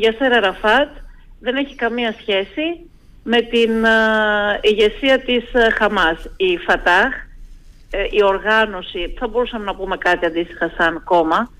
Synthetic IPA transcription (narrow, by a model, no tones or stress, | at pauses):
ʝɐseɾɐɾɐfɐt̪ | ðe̞ne̞çikɐmiɐsçe̞si | me̞t̪in | iʝe̞siɐt̪isxɐmɐsifɐt̪ɐx | io̞ɾɣɐno̞siθɐbo̞ɾusɐme̞nɐpume̞kɐt̪iɐnd̪ist̪i̥xɐsɐnko̞mɐ